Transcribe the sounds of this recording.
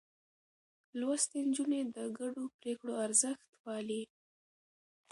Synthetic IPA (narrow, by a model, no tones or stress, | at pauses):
lwast̪end͡ʒuned̪əɡaɖopɾekɽoaɾzəxt̪wɑli